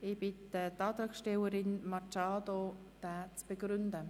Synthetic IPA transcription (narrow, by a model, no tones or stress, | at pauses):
ɪb̥ɪtətaːt̪ɾaːksʃtɛləɾɪnmat͡ʃaːdod̥aːt͡sb̥əɡɾʏndə